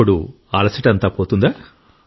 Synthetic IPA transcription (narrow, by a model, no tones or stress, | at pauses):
uɽu | ɐlɐsɐʈɐnt̪aːpoːt̪und̪aː